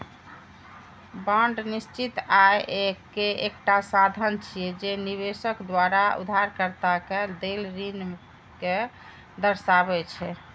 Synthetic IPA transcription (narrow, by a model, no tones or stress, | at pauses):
baɳɖnist͡ʃit̪ajʔekeʔek̚ʈasad̪ʱənt͡ʃʰijɛd͡ʒenibesəkd̪waɾaṵd̪ʱaɾkəɾt̪aked̪elɾin | ke | d̪əɾsabɛt͡ʃʰɛ